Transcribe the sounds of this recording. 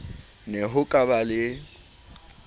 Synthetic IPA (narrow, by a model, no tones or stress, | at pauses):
nɛɦʊkʼabalɪ